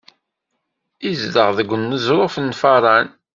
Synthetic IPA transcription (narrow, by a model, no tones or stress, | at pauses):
izdəʁðəɡʷənːəzɾˤofənːfɑɾˤɑn